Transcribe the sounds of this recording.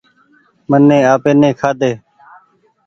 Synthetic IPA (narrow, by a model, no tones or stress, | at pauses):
mənːẽːaːpeːnẽːkʰaːd̪eː